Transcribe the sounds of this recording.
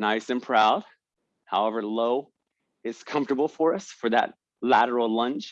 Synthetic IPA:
naɪsɨ̃npʰɹ̥aʊd̥̚ | haʊɛvə˞loʊ | ɪz̥kʰʌ̃ɱftə˞bl̩ˠfə˞ʌsfə˞ðɨ̰t̚ | læɾə˞l̩ˠlʌ̃nt͡ʃ

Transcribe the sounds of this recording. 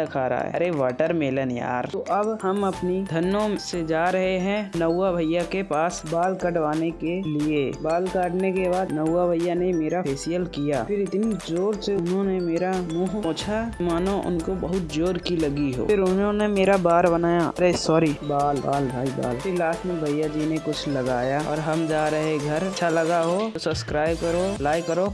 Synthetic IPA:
ɐkʰaːɾa̰ːɦɛ̰ɐɾeʋaːʈəɾmeːlənja̰ːɾt̪oʔɐbhɐmɐpnid̪ʱɐnːõsed͡ʒaːɾɐɦeɦɛ̃nɐwːabʱɐjakepaːsbaːlkɐʈʋaːnekeliebaːlkaːʈnekebaːd̪nɐwːabʱɐjːanemeːɾaeːsijəlkija̰ːpʰɪɾɪt̪nid͡ʒoːɾseʊnɦõnemeːɾamuːɦpõːt͡ʃʰamaːnõʔʊ̰nkobɐɦʊt̪̚d͡ʒoːɾkilɐɡiɦo̰ːɪɾʊnɦõnemeːɾabaːɾbɐnaːjaɐɾesɔːɾibaːlba̰ːlbʱaːiba̰ːlilaːsmẽbʱɐjːad͡ʒinekʊt͡ʃʰlɐɡaːjaɔ̰ːɾɦɐmd͡ʒaːɾəɦeɡʱɐɾʃʰalɐɡaɦoosɐbskɾaːɪbkəɾolaːɪkəɾo

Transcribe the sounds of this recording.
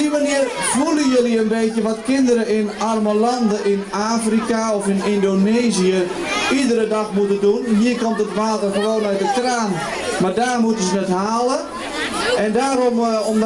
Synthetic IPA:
imaniərvulˠəjøliənbeːtjəʋɔtkɪndəɾəɪnarməlɑndəʔɪnaːfrikaɔfɪnɪndoneːziə | idəɾədɑxmutədunɦiəkɔmtətʋaːtərxəʋoːnœɥ̚dətraːn | mardaːrmutəsənɛtɦaːlə | ɛndaːɾɔmɔm

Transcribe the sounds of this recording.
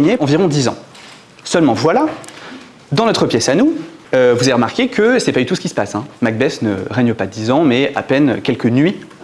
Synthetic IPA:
ɲeɑ̃viʁɔ̃d̪izɑ̰̃ | sœlmɑ̃vwala | d̪ɑ̃nɔt̪χəpjɛsanuøvuzaveʁəmaʁkʲekʰəsɛpad̪yt̪usə̥kʲisə̥pasɛ̃maɡ̚bɛsnə̰ʁɛɲəpad̪izɑ̃mɛa̰pɛnøkʲɛlkənɥi

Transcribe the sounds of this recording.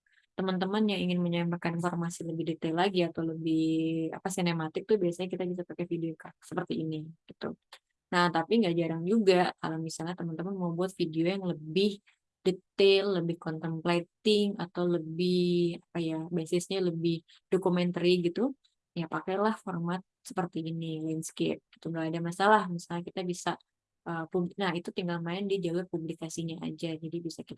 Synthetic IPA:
t̪əmant̪əmənjaŋiŋɪnməɲamakannfɔrmasiləbɪhdet̪alaɡiat̪awləbɪha̰pasinemat̪ɪk̚t̪ʊhbiasaɲakit̪abisapakajfidiokaksəpərt̪iːniɡ̥it̪ṵ | naht̪apiŋɡaʔd͡ʒaɾaŋd͡ʒuɡaka̰lomisalɲat̪əmant̪əmanmawbuat̪̚fidiojaŋləbɪh | det̪elːəbɪhkɔnt̪əmplet̪ɪŋat̪awləbɪhapajabesɪsɲaləbɪh | dokumɛnt̪əɾiɡit̪u | japakajlahformat̪̚sə̥pərt̪iːnilanskḛp̚ɡit̪uŋɡaadamasalahmisalɲakit̪abisa | ʔəpubnahit̪ut̪iŋɡalmaɪndid͡ʒaɡapublikasiɲaʔa̰d͡ʒad͡ʒadibisakit̪a

